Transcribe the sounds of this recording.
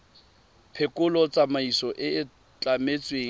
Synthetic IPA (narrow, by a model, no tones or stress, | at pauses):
pʰekʼʊlɔt͡sʼamaisɔʔɪɪ | t͡ɬʼamet͡sʼweːŋ̩